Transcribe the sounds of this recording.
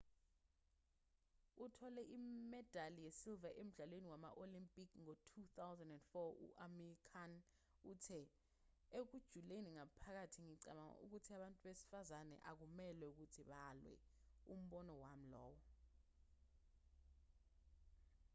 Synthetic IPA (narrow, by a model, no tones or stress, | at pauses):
utʰɔlɛʔimɛd̥ʱalijesilvaʔem̩ɮalweniwama̰ʔolimpʼikʰŋotʰuθawzandɛndfɔṵʔamɛrikʰan | utʰɛ | ek̬ud̥ʒ̥ʱuleniŋapʰak̬atʰiŋiǀaɓaŋ̰ṵk̬utʰiaɓantʼuɓesi̥fazanɛ̰ʔak̬umɛlwɛuk̬utʰiɓalwɛ̰ | um̩ɓɔnɔwam̩lɔ̰ːwɔ